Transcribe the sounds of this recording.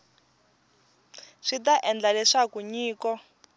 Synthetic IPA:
ʂitaʔɛnd͡ɮalɛʂakuɲiːkɔ

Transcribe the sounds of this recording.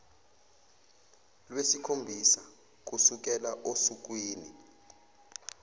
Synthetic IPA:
lwesikʰombʱisa | k̬usuk̬ɛlaʔosuk̬wiːni

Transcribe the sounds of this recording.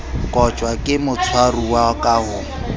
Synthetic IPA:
kʼɔt͡ʃʼwakʼɪmʊt͡sʰwaruwakʼahʊ

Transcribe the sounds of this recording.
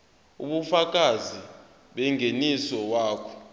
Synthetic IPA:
ṵɓufak̬ʼazi | ɓɛŋʱenisɔwaːkʰɔ̥

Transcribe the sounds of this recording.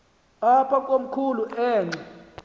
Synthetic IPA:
apʰak̬ʼom̩kʰuluʔɛːŋ͡ǀa

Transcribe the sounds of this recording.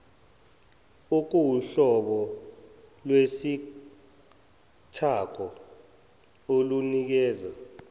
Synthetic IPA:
uk̬uwuɬɔɓɔ | lwesi | tʰak̬ʰɔ | olunik̬ɛːza

